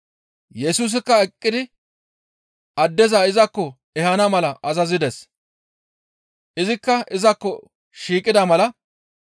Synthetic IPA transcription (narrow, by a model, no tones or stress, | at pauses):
jɛsuːs̬ɪkːɐɛkʼːɪd̪ɪ | ɐd̪ːɛzɐɪzɐkːɔ | ɛhɐnɐmɐlɐʔɐzɐzɪd̪ɛs | ʔɪzɪkːɐɪzɐkːɔ | ʃiːkʼɪd̪ɐmɐlɐ